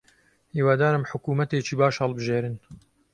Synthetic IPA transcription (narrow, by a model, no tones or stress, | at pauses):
hiːwaːd̪aːɾɨmħʊkuːmɐt̪eːt͡ʃiːbaːʃhɛlˠbɨʒeːɾɨn